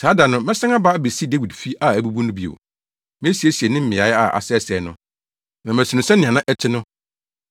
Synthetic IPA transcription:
saː˨˦da˨nʊ̃˦mɛ˦sã˦ŋa˦ba˦be˨si˦de˦wi˨dfi˦ʔa˦˨æ˨bu˦bu˦nʊ̃˦bi˦o̰˨ | mɪ̃˦æ˦si˨e˦si˨e˨nɪ̃˦m̩˦mɪ̃˨a˨˦ja̰˦˨ʔa̰˨sɛ˦sɛ˨˦nʊ̃˦ | nã˨m˨æ̃˨sɪ˨nʊ̃˨sɛ̃˦nɪ̃˨ã˨nã˦ʔɛ˦tʰɪ˦nʊ̃˦

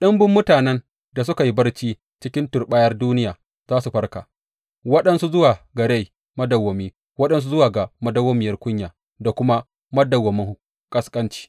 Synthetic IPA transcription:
ɗɐ˦mbʊ˦mːʊ˦taː˨nɛ˦n | da˨s̬ʊ˦ka˨ji˦bɐ˦rt͡ʃiː˦ | t͡ʃɪ˦kʲɪ˦ntʊ˨rɓa˦jɐ˦rduː˦nɪ˦jaː˨ | zaː˦su˨ɸɐ˦rka̰ː˨ | wɐ˦ɗɐ˦nsu˦zʊ˦waː˨ɡɐ˨ɽe˦j | mɐ˦dɐ˨wːɐ˨miː˦ | wɐ˦ɗɐ˦ns̬u˦zʊ˦waː˨ɡa˨mɐ˦dɐ˦wo˦mɪ˨jɐ˦rkʷʊ˦ɲjaː˨ | da˨kʷʊ˦ma˦ | mɐ˦dɐ˨wːɐ˨mɪ˦ŋ˦ | kʼɐ˦skʼɐ˦nt͡ʃi̥ː˦

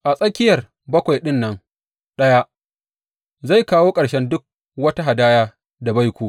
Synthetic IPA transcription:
ʔa˨sʼɐ˦kʲɪ˦jɐ˨r | bɐ˦kʷa˨jɗɪ˦nːɐ˦ŋ | ɗɐ˦ja˦ʔ | za˦˨jkaː˦woː˦kʼɐ˨ɽʃɛ˦ndʊ˦k̚ | wɐ˦ta˦ɦa˨daː˦jaː˦ | da˨ba˦jkʷuː˨

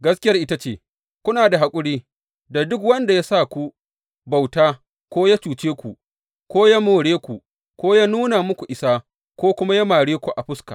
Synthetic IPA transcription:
ɡɐ˦skʲɪ˦jɐ˦rʔɪ˦ta˦t͡ʃeː˦˨ | kʷʊ˦naː˨da˨ɦa˨kʷʼʊ˦ɽiː˦ | da˨dʊ˦kwɐ˦nda˨ja˦sa˦kʷu˦ | ba˨wtaː˦ | kʷoː˦ja˦t͡ʃuː˨t͡ʃeː˦kʷu˨ | kʷoː˦ja˦moː˨ɽeː˦kʷu˨ | kʷoː˦ja˦nuː˦na˨mʊ˦kʷu˨ʔɪ˨saː˦ | kʷoː˦kʷʊ˦ma˦ja˦maː˨ɽeː˦kʷu˨ʔa˨ɸʊ˦ska̰ː˨

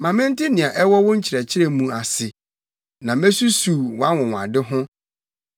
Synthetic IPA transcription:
mã˨mɪ̃˦n̩˦tɪ˦nɪ̃˨a˨ʔɛ˦wɔ˦wʊ̃˦ɲ̩˦t͡ɕʰɪ˨ɾɛ˨t͡ɕʰɪ˦ɾɛ˦˨mũ˨a˨sɪ˨ | nã˨me˦su˦suː˨wa˦wʊ̃˨w̃a̰˨dɪ˦ɦʊ̃˦

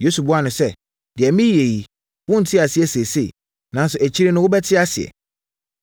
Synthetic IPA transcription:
jo˦su˨bʊ˦a˦˨nʊ̃˨sɛ˦ | d̥ɪ˨ɛ˨mĩ˦je˨ji˨ | wʊ̃˦n̩˨tʰɪ˦a˨sɪ˨˦ɛ˦se˨se˦˨ | nã˨n˦sʊ˨æ˨t͡ɕʰi˦ɾe˦nʊ̃˦wʊ˦bɛ˦tʰɪ˦a˦sɪ˨ɛ̰˨

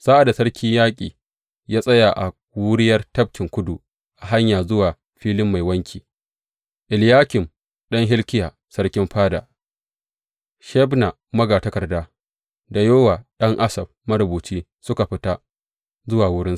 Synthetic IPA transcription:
saː˦ʔa˨da˨sɐ˦rkʲʰɪ˦ɲjaː˦kʲʼḭː˨ | jaː˦sʼɐ˦ja˨ʔa̰˨ | wʊ˦ɾɪ˦jɐ˦rtɐ˦b̚kʲɪ˨ŋkʷʊ˦du˨ | ʔa˨ɦa˦ɲjaː˨zʊ˦waː˨ | ɸiː˦lɪ˦mːa˨jwɐ˦ŋkʲiː˨ | ʔɪ˨ljaː˦kʲɪ˨m | ɗɐ˦ŋɦɪ˦lkʲɪ˦jaː˨ | sɐ˦rkʲɪ˦mɸaː˦da̰ː˨ | ʃɛ˦bna˨ | mɐ˦ɡaː˨tɐ˦kɐ˨rdaː˦ | da˨joː˦waː˨ɗɐ˦ŋʔa˦sɐ˨b̚mɐ˦ɾʊ˨buː˨t͡ʃiː˦ | sʊ˦ka˨ɸɪ˦ta˦ | zʊ˦waː˨wʊ˦ɽɪ˦s

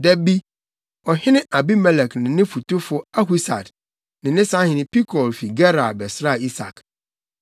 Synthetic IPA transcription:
dɛ˦bi˦ | ɔ˨hɪ̃˦nɪ̃˦ʔa˨bi˦mɛ˦lɛ˨knɪ̃˨nɪ̃˦fu˨tʊ˦fʊ˦a˦ɦu˦sa̰˨d | nɪ̃˨nɪ̃˦sã˦hɪ̃˨nɪ̃˦pi˦kʰɔ˨lfi˨ɡɛ˦ɾa˨bɛ˨sɾa˦˨i˦sa̰˨k

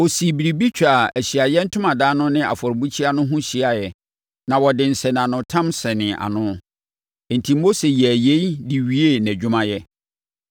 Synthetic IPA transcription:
wo˨si˨bi˨ɾi˨bi˦t͡ɕᶣa˨æ˨ɕi˨a˨jɛ˦n̩˦tʰʊ̃˦mã˨daː˦nʊ̃˦nɪ̃˦a̰˨fɔ˨ɾbu˦t͡ɕʰi˦a˦nʊ̃˦ɦũ˦ɕi˦a˨jɛ˨ | nã˨wɔ˨dɪ̃˨n̩˨sɛ˨n˨ã˨nʊ̃˨tʰã˦msɛ˨nɪ̃˨ʔa̰˨nʊ̃˦˨ | n̩˨tʰĩ˨mː˦o˦se˨jæ˨je˦i˦di˨ɥi˦e˦˨næ̃˨d͡ʑᶣʊ˦mã˦jɛ˦

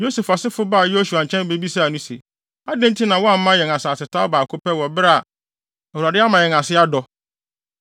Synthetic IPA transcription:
jo˦se˨fa˨sɪ˦fʊ˦ba˦˨jo˦su˨a˨ɲ̩˨t͡ɕʰɛ̃˦n˦be˦bi˦sa˦˨nũ˦se˨ | a˦dẽ˦n˦tʰi˦nã˨wɔ˦a˨m̩˦mã˦jɛ̃˨ŋa˨saː˨sɪ˨tʰa˦ʊ˦baː˨kʰo˦pɛ˦wɔ˨bɾa˦a˨ | ɛ˨hu˨ɾa˨dɪ˦a˦mã˨jɛ̃˨ŋa˨sɪ˦a˦dɔ˨

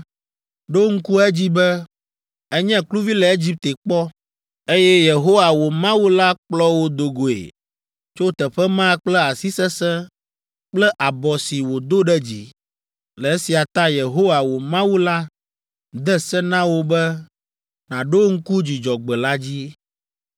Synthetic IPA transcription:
ɖo˦ŋ̩˦ku˦ɛ˦d͡ʑi˦bɛ˦ | ɛ˦ɲɛ̃˦klu˦vi˦lɛ˨e˦d͡ʑi˦p̚t̪e˨k͡pɔ˦ | e˦jɛ˦je˨ɦo˦wa˨wo˨mã˦wu˦la˦k͡plɔ˦wo˦d̪o˨ɡo˨ḛ˨ | t͡ʃo˦t̪ɛ˨ɸɛ˦mã˦k͡plɛ˦a˨si˦sɛ˦sɛ̃˦ | k͡plɛ˦ʔa˨bɔ˨si˨wo˨d̪o˦ɖɛ˦d͡ʑi˨ | lɛ˨e˦si˨a˨t̪ã˦je˨ɦo˦wa˨wo˨mã˦wu˦la˦ | d̪ɛ˦sɛ˦nã˦wo˦bɛ˦ | nã˨ɖo˦ŋ̩˦ku˦d͡ʑi˨d͡ʒɔ˨ɡ͡bɛ˨la˦d͡ʑi˦

